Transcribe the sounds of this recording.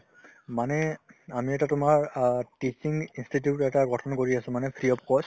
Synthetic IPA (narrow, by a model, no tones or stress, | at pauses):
manɛamiɛtatʊmaɹtisiŋɡinstitjutɛtaɡɔtʰɔnkoɹiasʊ̃manɛpʰɹiɔp̚kɔs